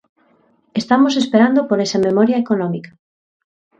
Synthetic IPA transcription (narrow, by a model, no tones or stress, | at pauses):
est̪amos̬espeɾand̪opoɾesamemɔɾjaekonɔ̃mikḁ